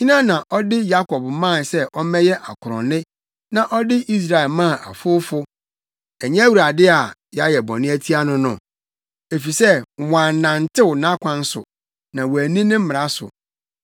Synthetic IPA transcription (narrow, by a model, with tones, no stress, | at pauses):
ɲĩ˦nã˦nã˨ʔɔ˦dɪ˦ja˦kʰɔ˨bmã˦˨nsɛ˦ʔɔ˦mɛ̃˦jɛ˦ʔa˨kʰʊ˨ɾɔ̰̃˨nɪ̃˦ | nã˨ʔɔ˦dɪ˦ʔi˦s̬ɾa˨ɛ˨lmã˦˨ʔa̰˨fʊ˦fʊ˦ | ɛ˨ɲɛ̃˦wu˨ɾa˨dɪ˦a˨ja˦jɛ˨bɔ̰̃˨nɪ̃˦æ˦tʰi˦a˦nʊ̃˦nʊ̰̃˨ | e˨fi˨sɛ˦˨wã˨n˨nã˨n̩˨tʰɪ˦wʊ˨nã˦kʷʰã˦n̩˦sʊ̰˨ | nã˨wæ˨nĩ˦nɪ̃˦m̩˦mɪ˨ɾa˦sʊ̰˨